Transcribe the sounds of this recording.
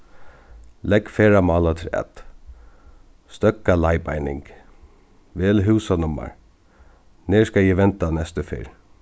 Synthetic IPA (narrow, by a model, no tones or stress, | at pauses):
lɛkfeːɹamɑːlat̪ʰɪlɛ̰t̪ | st̪œkːalajpa̰jnɪ̰ŋk | ʋeːlɦʉːsanʊma̰ɹ | neːɹskajɛʋɛnt̪anɛst̪əfɪ̰ɹ